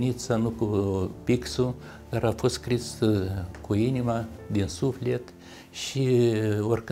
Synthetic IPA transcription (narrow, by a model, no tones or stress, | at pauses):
nit̪sanukupiksu | d̪̥aɾafo̞st̪skɾisəkuinimad̪insufle̞t̪ | ʃiorkɨ